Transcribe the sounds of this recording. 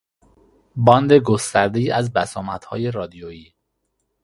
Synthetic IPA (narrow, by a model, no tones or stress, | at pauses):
bɒːnd̪e̞ɡost̪æɾd̪eiːæzbæsɒːmæt̪hɒ̰ːje̞ɾɒːd̪ijojiː